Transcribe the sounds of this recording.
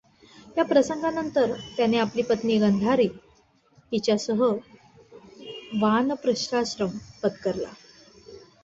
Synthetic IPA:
japɾəsəŋɡanənt̪əɾt̪janeapliːpət̪niːɡənd̪ʱaɾiː | ɦ̪it͡ɕjasəɦə | ʋanpɾəɕɾaɕɾəmpət̪kəɾla̰

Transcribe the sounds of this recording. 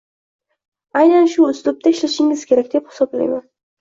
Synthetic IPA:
ajnanʃʊʊzlʊp̚t̪ʰaɪʃlaʃɪŋɪz̥kʲʰe̞ɾakʲd̪̥e̞phɪ̥sɒbla̰jman

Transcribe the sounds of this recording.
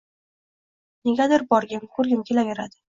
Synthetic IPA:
neɡʲad̪ɪɾbɒɾɡʲɪmkʰɵɾɡʲɪmkʲʰe̞lajʲɪɾad̪ɪ

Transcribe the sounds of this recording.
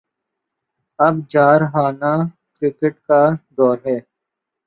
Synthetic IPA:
ɐbd͡ʒaːɾɦaːnaː | kɾɪkəʈkaːd̪ɔːɾɦɛː

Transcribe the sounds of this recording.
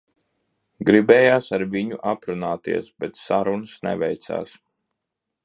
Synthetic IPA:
ɡɾibɛːjaːsaɾviɲuʔapɾunaːt̪ḭɛsbɛt̪saɾunɨsnɛ̰vɛjt̪sa̰ːs

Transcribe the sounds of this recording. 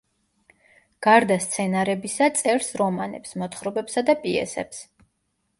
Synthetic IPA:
ɡ̥aɾd̪ast̪sʰɛnaɾɛbisat̪sʼɛɾsɾɔmanɛ̰psmɔt̪ʰχɾɔbɛpsad̪apʼiɛ̰sɛ̰ps

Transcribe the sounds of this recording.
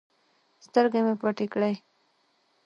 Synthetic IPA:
st̪əɾɡemepaʈikɽaj

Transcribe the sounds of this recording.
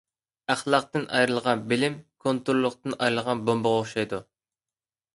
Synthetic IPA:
æχlˠɑq̚t̪ɨnʔɑjɾɨlˠʁɑnbɪlɪmkʰont̪uɾlˠʊqt̪ɨnɑjɾɨlˠʁɑnbomboʁoχʃɑjd̪u

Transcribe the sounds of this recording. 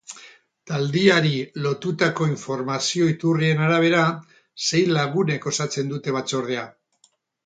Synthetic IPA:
t̪ald̪iaɾilo̞t̪ut̪ako̞iɱfo̞ɾmasio̞it̪urie̞naɾaβ̞e̞ɾa | se̞jlaɣune̞ko̞sat͡se̞nd̪ut̪e̞β̞at͡so̞ɾð̞e̞a

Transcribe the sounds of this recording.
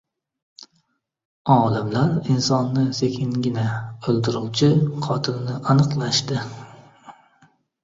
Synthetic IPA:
ɒːlˠɪmlaɾinsɒnːɪsekʲʰɪŋɡʲɪnaɵlˠd̪ɪɾuwt͡ʃʰɪqʰɒt̪ʰɪlnɪʔanɨqlˠaʃt̪ɪ

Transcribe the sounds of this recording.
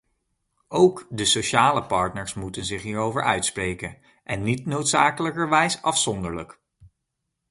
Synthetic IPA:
owkdəsoʃaːləpɑɹtnəɹsmutənzɪχɦiːɹowvəɹʔœɥtsprejkən | ʔɛnːitnowtsaːkələkəɹʋɛjsɑfsɔndəɹlək

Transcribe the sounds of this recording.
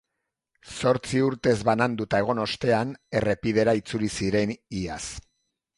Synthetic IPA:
so̞ɾt͡siuɾt̪e̞zβanand̪ut̪ae̞ɣ̞o̞no̞st̪e̞ane̞re̞pið̞e̞ɾait͡sulisiɾe̞nias

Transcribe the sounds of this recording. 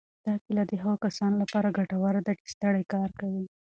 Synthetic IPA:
d̪̥ɑkelad̪əɦaɣakasɑnolapɑɾaɡaʈawaɾad̪aʈst̪əɽajkɑɾkawi

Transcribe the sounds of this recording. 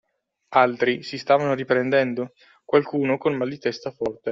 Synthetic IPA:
alt̪ɾisist̪aːvanoɾipɾend̪ɛnd̪o | kwalkuːnokonmalːit̪ɛst̪afɔrt̪e

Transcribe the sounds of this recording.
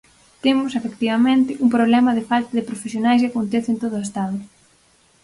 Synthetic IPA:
t̪emʊsefekt̪iβɐmẽnt̪ɪʔuŋpɾoβ̞lɛmɐðɪfalt̪ɐðɪpɾofesjonajskɪakont̪ɛθɪent̪oð̞oest̪aðʊ

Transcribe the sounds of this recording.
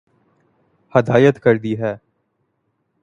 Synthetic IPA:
hɐd̪aːjət̪kɐɾd̪iɦɛː

